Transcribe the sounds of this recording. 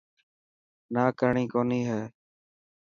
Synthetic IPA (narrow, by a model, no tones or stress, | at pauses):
naːkəɾɳiːkoːniːɦɛː